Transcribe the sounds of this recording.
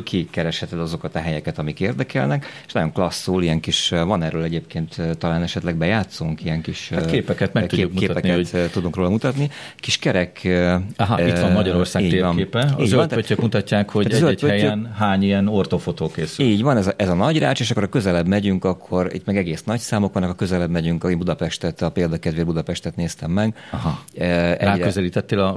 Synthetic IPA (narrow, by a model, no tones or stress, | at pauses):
kʰikɛɾɛʃhɛt̪ɛd̪ɒzo̞kɒt̪ɒɦɛjɛkɛt̪ɒmikeːrd̪ɛkɛlnɛke̥ʃnɒɟjo̞ŋklɒsːuːlijɛŋkiʃvɒnɛrøːlɛɟeːpkeːnt̪ːt̪ːɒlaːnɛʃɛt̪lɛɡ̚bɛjaːt̪suŋkijɛŋkiʃatkkeːpɛkɛt̪mɛkt̪ueːumueːpɛnɛt̪ːud̪uŋkroːlɒmut̪ɒt̪ni | kiʃkɛɾɛkɒɦiɔmɒɟɒɾorsaːiːɟt̪eːvɒeːpɛiːɟøʋɔlnaøːøkmut̪ɒcːaːkhoɟ̪at̪ːɛzølpøɛjønɦaːɲijɛnort̪ofot̪oːkeːsyiiːɟʋɒnɛzɒʔɛzɒnɒɟra̰ːt͡ʃeːʃ̬ɒkːoɾɒkø̞zɛlɛbmɛɟyŋkɒkʰːo̞ɾḭt̪mɛɡɛɡeːsnɒcsaːmo̞kʋɒnːɒkɒkøzɛlɛbmɛɟyŋkɒeːmbud̪ɒpɛʃt̪ɛt̪ɒpeːld̪ɒkɛd̪ʋeːrbud̪ɒpɛʃt̪ɛt̪neːst̪ɛmːɛɡ | ɦ | ɛ̰ɾaːkøzɛliːt̪ɛt̪ːeːlɒ